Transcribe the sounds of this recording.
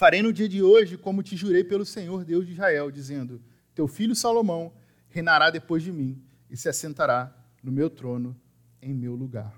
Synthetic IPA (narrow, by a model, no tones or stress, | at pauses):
faɾejnʊd͡ʒiɐd͡ʒɪoʒɪkõmʊt͡ʃɪʒuɾejpelʊsẽɲoɾd̪ewʒd͡ʒiʒhaɛwd͡ʒizẽnd̪ʊ | t̪ewfiʎʊsalomɐ̃w̃ | hẽjnaɾad̪epojzd͡ʒɪmĩ | ɪsɪasẽnt̪aɾa | nʊmewt̪ɾõnʊ | ẽj̃mewluɡa̰ɾ